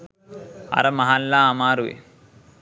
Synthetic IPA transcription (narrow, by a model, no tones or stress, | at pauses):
ɐ̰ɾɐmɐɦalːaːmaːɾuʋḛ